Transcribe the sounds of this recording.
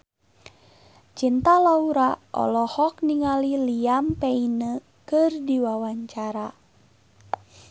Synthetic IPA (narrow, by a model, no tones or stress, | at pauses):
t͡ʃint̪alauɾaʔɔ̰lɔhɔk̚niŋaliliampɛinə | kɨrdiwawaɲt͡ʃaɾa